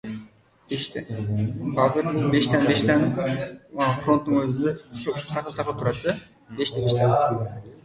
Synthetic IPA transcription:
beʃt̪ḛ | ɑzɯɾbeʃt̪ɛnbe̞ʃt̪ʰɑnɯ | fro̞nt̪ːuŋøzynd̪øʃʃu̥psɑqlˠɯpsɑqlˠɯp̚t̪uɾɑt̪d̪ɯ | be̞ʃt̪ebeʃt̪ʰɑn

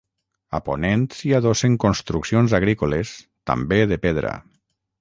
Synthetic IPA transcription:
a̰po̰nent̪siaðoseŋkonst̪ɾuksionzaɣ̞ɾikoles | t̪a̰mbeðepeðɾa̰

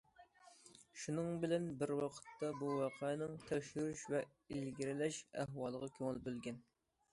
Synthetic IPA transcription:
ʃunɨŋbɪlɛnbɪɾwɑqʰə̥t̪ʰːɑbuwɑqʰɑnɪŋt̪ʰɛkʲʃyɾyʃvɛ | ilɡʲiɾɪlɛʃæ̰ɦwɑːlˠəʁɑkʲʰøŋɪlbølɡʲɛn

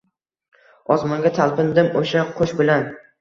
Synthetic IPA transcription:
ɒzmɒŋɡʲat̪ʰalˠpɪnd̪ɪmoʃaqʰoʃbɪlan

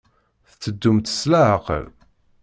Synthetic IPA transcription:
θt͡sːəd̪ːumt̪ə̥slaʕəqə̰l

